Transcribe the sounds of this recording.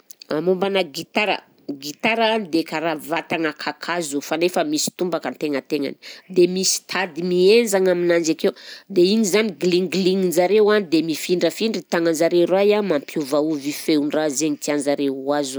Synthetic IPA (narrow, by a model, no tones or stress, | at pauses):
amumbanəɡit̪aɾə̰ | ɡit̪aɾaanid̪ekaɾavat̪aŋakʰakʰazufanefəmisi̥t̪umbakənt̪eŋət̪eŋa̰ni̥d̪emisi̥t̪ʰad̪imiend͡ʒaŋaminand͡ʒakewd̪eiɲizaniɡliŋɡliŋinzaɾewand̪emifiɳɖ͡ʐəfiɳɖ͡ʐit̪aŋanzaɾeɾajamampʰjuvauvifeuɳɖ͡ʐazeɲit̪iand͡ʒaɾeuazu